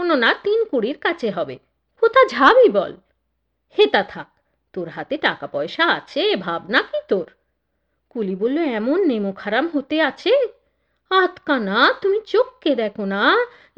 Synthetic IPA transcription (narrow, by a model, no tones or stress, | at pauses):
ononat̪inkuɽiɾkat͡ɕʰeɦɔbḛ | kot̪ʰad͡ʑʱabibɔ̰l | het̪at̪ʰak̚ | t̪oɾɦat̪eʈakapɔeʃaat͡ɕʰebʱabnakit̪oɾ | kulibolːoɛmonːemokʰaɾamɦot̪eat͡ɕʰe | at̪kanat̪umit͡ɕokːed̪ɛkʰona